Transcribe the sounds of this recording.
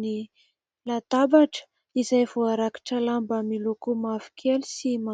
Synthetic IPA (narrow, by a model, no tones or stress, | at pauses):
ni | lad̪̥abaʈ͡ʂə̥ | izajvoaɾaki̥ʈ͡ʂəlambəmilokumavi̥kʰelisima